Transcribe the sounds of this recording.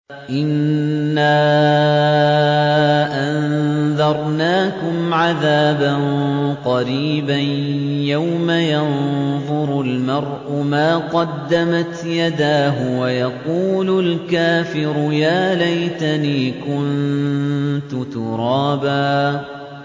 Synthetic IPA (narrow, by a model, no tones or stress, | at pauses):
ʔɪnːaː | ʔanðɑɾˤnaːkʊmʕaðaːbanqɑɾiːbanjawmajɑnðˤʊɾʊlmɑɾˤʔʊmaːqɑd̪ːamat̪jad̪aːɦʊwajɑquːlʊlkaːfɪɾʊjaːlajt̪aniːkʊn | t̪ʊt̪ʊɾˤɑːbaː